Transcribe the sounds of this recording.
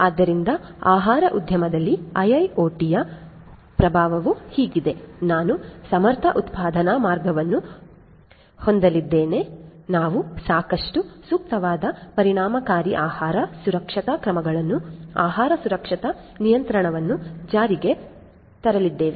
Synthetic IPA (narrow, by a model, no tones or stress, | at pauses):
aːd̪ːɐɾind̪ɐaːɦaːɾɐʔud̪ʱjɐmɐd̪ɐlːiɐjɐjoːʈijɐ | pɾɐbʱaːʋɐʋuhiːɡid̪e̞naːnusɐmɐɾt̪ʰɐʔut̪paːd̪ʱɐnamaːɾɡɐʋɐnːu | ho̞nd̪ɐlid̪ːeːne̞naːʋusaːkɐʂʈusuːk̚t̪ɐʋaːd̪ɐpɐɾiɳaːmɐkaːɾiʔaːhaːɾɐsuɾɐkʂɐt̪ɐkɾɐmɐɡɐɭɐnːuaːɦaːɾɐsuɾɐkʂɐt̪ɐ | nijɐnt̪ɾɐɳɐʋɐnːud͡ʒaːɾiɡe̞ | t̪ɐɾɐlid̪ːe̞ːʋe